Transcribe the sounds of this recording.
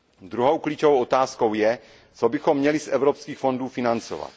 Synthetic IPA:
d̪ɾuɦowklit͡ʃovowʔot̪aːsko̞wjɛ | t͡sobɪxo̞mːɲɛlisʔɛvɾopskiːxfo̞nduːfɪnant͡so̞̰va̰t̪

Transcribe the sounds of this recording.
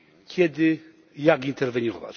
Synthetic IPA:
kʲʰjɛd̪ɪ | jaɡint̪ɛɾvɛɲɔva̰t͡ɕ

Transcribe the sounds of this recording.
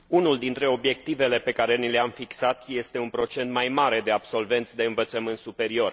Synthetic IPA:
unuld̪int̪ɾe̞o̞bje̞k̚t̪ive̞le̞pe̞kaɾe̞nileamfiksat̪je̞st̪e̞unpɾo̞t͡ʃe̞nt̪majmaɾe̞d̪e̞abso̞lve̞nt̪sʲd̪e̞ɨnvət̪səmɨnt̪supe̞ɾio̞r

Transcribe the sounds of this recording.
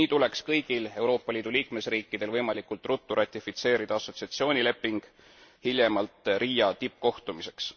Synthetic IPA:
iːt̪ule̞kskɤjɡ̥ile̞wɾo̞ːpˑːɑlʲiːd̪̥uliːkme̞sriːkːid̪̥e̞lvɤjmɑlikːˑult̪ˑrut̪ːuɾɑt̪ʲːˑifit̪se̞ːɾid̪̥ɑɑso̞t̪siɑt̪sio̞ːnʲile̞pːˑiŋɡ̥ | hilʲjemɑlt̪ˑɾiːjɑt̪ip̚ːˑko̞ht̪umise̞ks

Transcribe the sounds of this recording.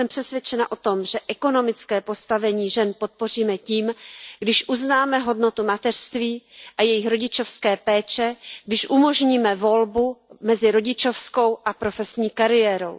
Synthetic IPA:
ɛmpr̥ɛsvʲjɛt͡ʃɛnaʔo̞t̪o̞mʒɛʔɛko̞no̞mɪt͡skɛːpo̞st̪avɛɲiːʒɛnpo̞t̪̚po̞r̝iːmɛciːmɡdɪʃʔuznaːmɛɦo̞dno̞t̪umat̪ɛr̥st̪viːʔajɛjɪxɾo̞ɟɪt͡ʃo̞fskɛːpɛːt͡ʃɛɡdɪʃʔumo̞ʒɲiːmɛvo̞lbumɛzɪɾo̞ɟɪt͡ʃo̞fsko̞wʔapɾo̞fɛsɲiːkaɾɪjɛːɾo̞̰w

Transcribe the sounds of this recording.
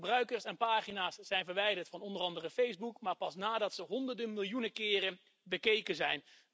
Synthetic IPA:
brœɥkəɹsɛnpaːχinaːsːɛjnvəɹʋɛjdəɹtfɑnɔndərɑndərəfejzbukmaːɹpɑsnaːdɑtsəɦɔndəɹdənmɪlˠjunəkɪːrən | bəkejkənzɛjn

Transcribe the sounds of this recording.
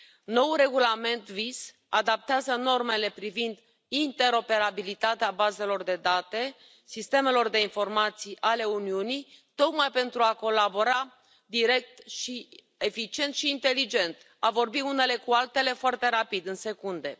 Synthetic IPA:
no̞wuɾe̞ɡulame̞nt̪vis | ad̪ap̚t̪eazəno̞rme̞le̞pɾivind̪ | int̪e̞ɾo̞pe̞ɾabilit̪at̪eabaze̞lo̞rd̪e̞d̪at̪e̞ | sist̪e̞me̞lo̞rd̪e̞info̞rmat̪sijʔale̞uniunijt̪o̞kmajpe̞nt̪ɾuako̞labo̞ɾa | d̪iɾe̞k̚t̪ʃi | e̞fit͡ʃie̞nt̪ʃiːnt̪e̞lid͡ʒe̞nt̪ | avo̞rbiune̞le̞kualt̪e̞le̞foart̪e̞ɾapid̪ɨnse̞kund̪e̞

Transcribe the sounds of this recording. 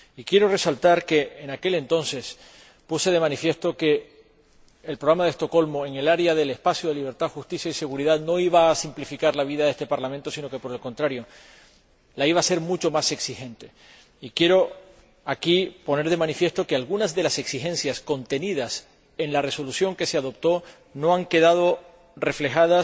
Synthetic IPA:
ikje̞ɾo̞re̞salt̪aɾke̞ːnake̞le̞nt̪o̞nse̞s | puse̞ðe̞mãnifje̞st̪oke̞ | lpɾoɣɾamaðest̪o̞ko̞lmo̞e̞ŋe̞laɾjaðe̞le̞spasjoðe̞liβ̞e̞ɾt̪aðxust̪isjaise̞ɣuɾiðaðno̞iβaːsimplifikaɾlaβ̞iðaðe̞st̪epaɾlamẽnt̪o̞sino̞ke̞po̞ɾe̞lko̞nt̪ɾaɾjo̞ | laiβ̞ase̞ɾmut͡ʃo̞mase̞ksixẽ̞nt̪e̞ | ikje̞ɾo̞ | akipo̞ne̞ɾðe̞mãnifje̞st̪o̞kealɣunazðe̞lase̞ksixẽ̞nsjasko̞nt̪e̞niðas | e̞ŋlare̞so̞lusjo̞ŋke̞se̞aðo̞p̚t̪o̞ | no̞aŋke̞ðaðo̞ | re̞fle̞xaðas

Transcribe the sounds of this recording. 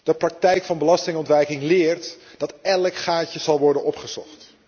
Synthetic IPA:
d̥əprɑk̚tɛjkfɑnbəlɑstɪŋɔntʋɛjkɪŋlɪːɹt | d̥ɑtɛləkχaːcəz̥ɑlˠʋɔɹdənɔpχəz̥ɔ̰χt

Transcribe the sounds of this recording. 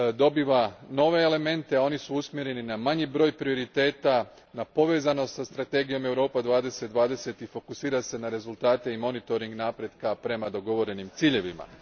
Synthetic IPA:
d̪o̞biːʋano̞ʋe̞ːle̞me̞nt̪e̞ao̞nisuusmjeɾe̞ninamaɲibɾo̞ːjpɾio̞ɾit̪e̞ːt̪a | napo̞ʋe̞ːzano̞st̪sast̪ɾat̪e̞ɡijo̞me̞wɾo̞ːpad̪ʋaːd̪e̞se̞t̪̚d̪ʋaːd̪e̞se̞t̪ifo̞kusiːɾase̞naɾe̞zulˠt̪aːt̪e̞imo̞nit̪o̞ɾiŋɡnaːpɾe̞d̪kapɾe̞mad̪o̞ɡo̞ʋo̞ɾe̞nimt̪siːʎe̞ʋima̰

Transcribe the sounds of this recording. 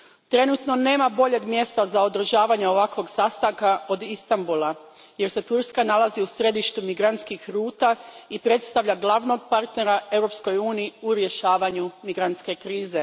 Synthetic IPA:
t̪ɾe̞nut̪no̞ne̞ːmabo̞ʎe̞ɡmje̞st̪azao̞d̪ɾ̩ʒaːʋaɲeo̞ʋakʋo̞ɡsast̪aŋkaod̪ist̪ambulˠa | je̞ɾse̞t̪uɾskanalˠaziusɾe̞d̪iʃt̪umiɡɾant̪skixɾuːt̪aipɾe̞t̪st̪aʋʎaɡlˠaʋno̞ɡ̚paɾt̪ne̞ɾae̞wɾo̞psko̞juːniːuɾje̞ʃaːʋaɲumiɡɾant̪ske̞kɾiːze̞

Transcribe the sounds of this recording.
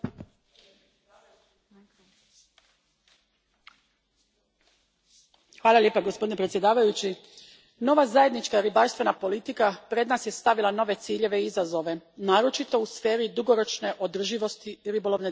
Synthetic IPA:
xʋaːlˠaljepaɡospo̞d̪inepɾet̪sje̞d̪aːʋajut͡ɕi | no̞ʋazajed̪nit͡ʃkaɾibaɾst̪ʋe̞napo̞lit̪ikapɾe̞d̪naːsje̞st̪aʋilˠano̞ʋe̞t̪siːʎe̞ʋe̞izazo̞ʋe̞naːɾo̞t͡ʃit̪o̞usfe̞ːɾid̪uɡo̞ɾo̞t͡ʃne̞ʔo̞d̪r̩ʒiʋo̞st̪iɾibo̞lˠo̞ʋne

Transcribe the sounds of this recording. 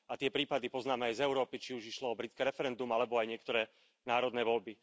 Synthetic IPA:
at̪ɪɛpɾiːpad̪ipɔznaːmɛajzɛʊɾɔːpit͡ʃiuʒiʃlɔɔbɾitt͡skɛɾɛfɛɾɛnd̪umalɛbɔajɲɪɛkt̪ɔɾɛː | naːɾɔd̪nɛːʋɔʎbi

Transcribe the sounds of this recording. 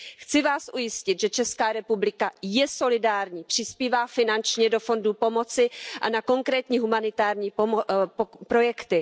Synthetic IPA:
xt͡sɪvaːsʔujɪscɪt̪ʒɛt͡ʃɛskaːɾɛpublɪkajɛso̞lɪdaːɾɲiːpr̝̥ɪspiːvaːfɪnant͡ʃɲɛdo̞fo̞ndupo̞mo̞t͡sɪʔanako̞ŋkɾɛːt̪ɲiːɦumanɪt̪aːɾɲiː | pɾo̞jɛkt̪ɪ

